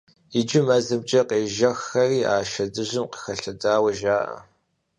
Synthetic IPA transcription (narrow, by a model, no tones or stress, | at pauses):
ɪd͡ʒɪmɐzɐmt͡ʃʼɐqeːʒɐxːɐriːʔa̰ːʃɐdɨʑɪmqə̥xɐɬɐdaːwɐʒaːʔɐ̰